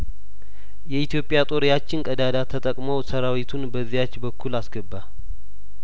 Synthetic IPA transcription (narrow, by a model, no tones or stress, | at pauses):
jɛit̪jo̞pʼːjat̪ʼo̞ɾijat͡ʃːɪnkʼəd̪ad̪at̪ʰət̪ʼəkʼmowsəɾawit̪ʰunbəzːijat͡ʃːbəkʰːulasɡəbːa